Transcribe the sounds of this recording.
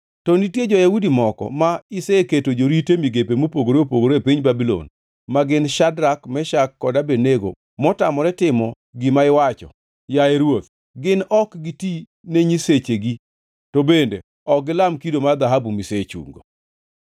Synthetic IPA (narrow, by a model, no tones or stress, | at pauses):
tɔnitjed͡ʒɔjaudimɔkɔ̰maɪseketod͡ʒoɾitemiɡepemopoɡoɾeopoɡoɾepiɲbabilo̰n | maɡɪnʃadɾakmɛʃakːɔdabeneɡo̰ | mɔtamɔɾɛtɪmɔ | ɡɪmaɪwat͡ʃɔ̰ | jaeɾwot̪̚ | ɡɪnɔkɡiti | neɲiset͡ʃeɡi | tobende | ɔɡɪlamkidomad̪aɦabumiset͡ʃṵŋɡo̰